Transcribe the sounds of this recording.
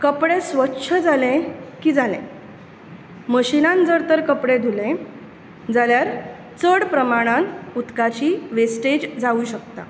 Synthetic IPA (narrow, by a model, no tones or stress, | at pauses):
kəpɽesʋətːɕʰəd͡zalẽkiːd͡zalḛ̃ | məɕinãnd͡zəɾt̪əɾkəpɽed̪ʱulẽ | d͡zaljaɾ | t͡səɽpɾəmaɽ̃ãnut̪kat͡ɕiːʋesʈed͡ʑd͡zauɕək̚t̪a̰